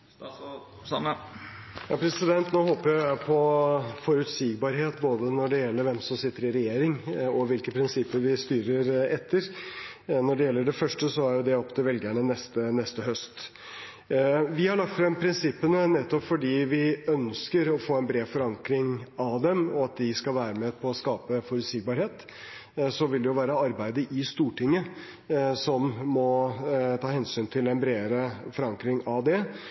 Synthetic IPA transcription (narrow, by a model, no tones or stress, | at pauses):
jɑpʰɾɛsɪd̪ɛnt̪noːhoːpəɾjæɪpʰɔfɔɾʉt̪siːɡbɑɾɦeːt̪boːd̪ənɔɖɛjɛlːəɾʋɛmsɔmsɪt̪ːəɾɪɾɛjeːɾɪŋɔʋɪlkəpʰɾɪnsɪpːəɾʋɪst̪yːɾəɾɛt̪ʰːəɾ | nɔɖɛjɛlːəɖɛfœʂʈəsɔæɾjʊd̪ɛɔpːt̪ʰɪlʋɛlɡæɳənɛst̪ənɛst̪əɦœst̪ | ʋɪhɑɭɑk̚t̪fɾɛmpʰɾɪnsɪpːənənɛt̪ːɔpfɔɖiːʋɪœnskəɾɔfoːɛnbɾeːfɔɾɑŋkɾɪŋɑd̪ɛmɔɑt̪̚d̪ɪskɑlʋæːɾəmɛpʰɔːskɑːpəfɔɾʉt̪siːɡ̚bɑːɾheːt̪ | sɔʋɪld̪ɛjʊʋæːɾəɑɾbæɪd̪əɾʔɪst̪uːʈɪŋːə | sɔmːɔt̪ʰɑːhɛnsyːnt̪ʰɪlɛnbɾeːɾəfɔɾɑŋkɾɪŋɑʋd̪ɛ